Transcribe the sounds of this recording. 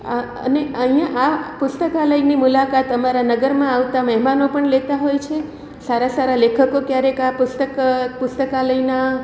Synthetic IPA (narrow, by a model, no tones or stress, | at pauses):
ə̰neəɦijãʔapʊst̪əkaləinimʊlakat̪əmaɾanəɡəɾmãaʋt̪aməɦmanopəɳlet̪aɦojt͡ʃʰe | saɾasaɾalekʰəkokjaɾekapʊst̪əkpʊst̪əkaləina